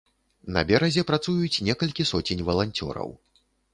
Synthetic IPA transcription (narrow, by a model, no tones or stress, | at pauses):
nɐ̰bʲɛɾɐzʲɛpɾat̪sujut͡sʲnʲɛkɐlʲkʲisɔt͡sʲenʲvɐlˠanʲt͡sʲɔ̰ɾɐ̰w